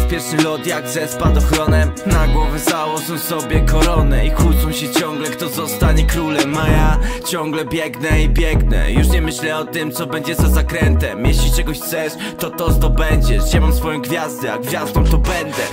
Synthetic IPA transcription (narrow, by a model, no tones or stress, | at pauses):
pʲjɛɾʂɨlɔt̪jak̚t̪sɛspad̪ɔxɾɔnɛnaɡwɔvʲɛzawɔʐɔw̃sɔbʲjɛkɔɾɔnɛikut̪sɔ̃w̃ɕɛt͡ɕɔŋɡlɛkt̪ɔzɔst̪aɲɛkɾulɛmːajat͡ɕɔŋɡlɛbʲjɛɡnɛibʲjɛɡnɛ̰juʂɲɛmɘɕlɛɔt̪ɪmt̪sɔbɛɲd͡ʑɛzazakɾɛnt̪ɛmjɛɕlʲit͡ʂɛɡɔɕt̪sɛʂt̪ɔt̪ɔzd̪ɔbɛɲd͡ʑɛd͡ʑɛmamsfɔjɔ̃ɡvʲjazd̪ɛa̰ɡvʲjazd̪ɔ̃w̃t̪ɔbɛnd̪ɛ